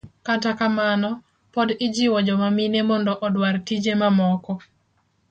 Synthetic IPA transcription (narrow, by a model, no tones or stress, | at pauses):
katakamanɔ | pɔdɪd͡ʒɪwɔd͡ʒɔmaminemɔndɔʔɔdwartid͡ʒemamɔkɔ